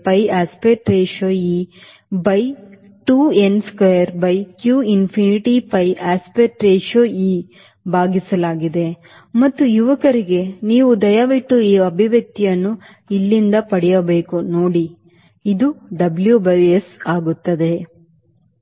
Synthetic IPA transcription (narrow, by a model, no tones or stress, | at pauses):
pɐjaːspeʈɾeːʃoːi | bɐj | ʈuːenskʋejɐɾbɐjkjuːinpʰiniʈipɐjʔaːspeʈɾeːʃoːi | bʱaːɡisɐlaːɡid̪e̞ | mɐt̪ːujuʋɐkɐɾiɡe̞niːʋud̪ɐjaʋiʈːuiːɐbʱiʋjɐk̚t̪ijɐnːu | ilːind̪ɐpɐɽɛjɐbe̞ːkunoːɽi | id̪uɖɐbljubɐjesaːɡut̪ːɐd̪e̞